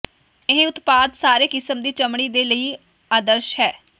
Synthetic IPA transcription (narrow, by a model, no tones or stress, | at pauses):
ɪɦẽːʊt̪paːd̪saːɾeːkɪsəmd̪iːt͡ʃəmɽ̃iːd̪eːləiː | aːd̪əɾʃɦɛː